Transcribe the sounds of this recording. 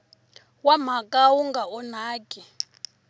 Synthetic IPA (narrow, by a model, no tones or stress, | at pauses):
wam̤akʼawuŋɡaɔnaːkʼi